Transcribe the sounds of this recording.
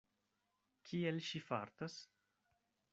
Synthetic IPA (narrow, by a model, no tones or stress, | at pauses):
kʰielʃifa̰ɾt̪as